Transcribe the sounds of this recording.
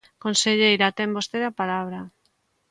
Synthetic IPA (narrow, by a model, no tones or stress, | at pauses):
konseʎejɾat̪embost̪eðapalaβ̞ɾa